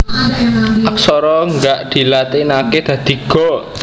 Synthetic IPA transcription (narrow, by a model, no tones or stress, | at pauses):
aksɔɾɔŋɡaʔd̪̥i̤lat̪inaked̪̥ä̤d̪̥i̤ɡ̥ɔ̤